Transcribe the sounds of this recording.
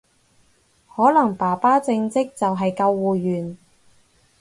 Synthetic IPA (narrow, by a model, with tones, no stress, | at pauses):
hɔː˨˥lɐ˨˩ŋpaː˨˩paː˥t͡sɪ˧ŋt͡sɪ˥k̚t͡sɐ˨wɦɐ˨jkɐ˧wːuː˨ɥyː˨˩n